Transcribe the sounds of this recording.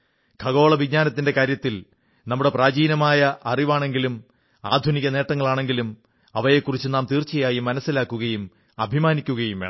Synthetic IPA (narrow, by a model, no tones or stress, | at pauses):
ɡʰʱɐɣo̞ːɭɐʋiɡ̚ɲaːnɐt̪ːinde̞kaːɾjɐt̪ːil | nɐmːuɽe̞praːd͡ʑiːnɐmaːjɐʔɐriʋaːɳe̞ŋɡilum | aːd̪ʱuniɣɐne̞ːʈːɐŋːɐɭaːɳe̞ŋɡilum | ɐʋɐje̞ːkːurit͡ɕːɨnaːmt̪iːrt͡ɕːɐjaːjimːɐnɐsːilaːkːuɣɐjum | ɐbʱimaːnikʲːuɣɐjumʋeːɳ